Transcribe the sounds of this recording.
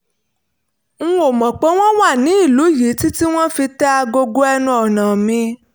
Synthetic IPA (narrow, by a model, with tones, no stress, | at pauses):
ŋ̩̃˦o˨mɔ̃˨k͡pɔ̃˨˦w̃ɔ̃˦wa˦˨nĩ˨˦i˦˨lu˨˦ji˨˦ti˦ti˦w̃ɔ̃˦fi˧ta˦˧ɡo˧ɡo˦ɛ˧nũ˧ɔ˨nã˨mĩ˧